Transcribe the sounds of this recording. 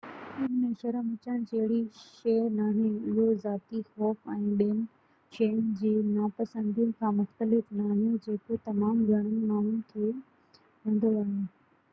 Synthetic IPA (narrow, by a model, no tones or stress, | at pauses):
ʊn̤mẽʃɐɾəmɪt͡ɕəɽ̃t͡ɕɐɦɪɽiʃeːɾnaːɦjũɪɦozaːt̪ixɔːfɛ̃ːɗeːn | ʃeːnd͡ʑiːnaːpɐsə̃nd̪ʱijʊ̃n̆kʰãːmʊxt̪əlɪfnaːɦijũd͡ʑeːkot̪ɐmaːmɡʱɐɽ̃ənɪ̆maːɳʊnk̪ʰe | ʋẽːn̆d̪oaːɦe